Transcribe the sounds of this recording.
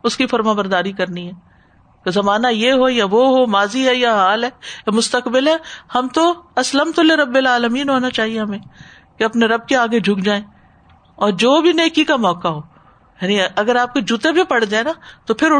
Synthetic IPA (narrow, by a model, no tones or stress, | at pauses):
ʊskifɐɾmãbɐɾd̪aːɾikɐɾniɦɛː | kezɐmaːnajeɦojaʋoɦomaːziɦɛjaɦaːlɦɛːmʊst̪əkbɪlɦɛːhɐmt̪oɐsləmt̪ʊleɾɐbːɪlaːləmiːnɦoːnat͡ʃaːɦieɦɐmẽː | keɐpneɾɐb̚keaːɡed͡ʒʱʊkd͡ʒaːẽː | ɔːɾd͡ʒoːbʱineːkikamɔːkaɦoː | jaːniɐɡəɾaːp̚ked͡ʒut̪ebʱipɐɽd͡ʒaːenaːt̪opʰɪɾʊ